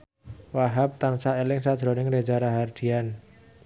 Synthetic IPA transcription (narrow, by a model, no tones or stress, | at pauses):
waɦap̚t̪ansaelɪŋsad̥ʒ̥ɾɔnɪŋɾed͡ʒaɾaɦard̪̥i̤an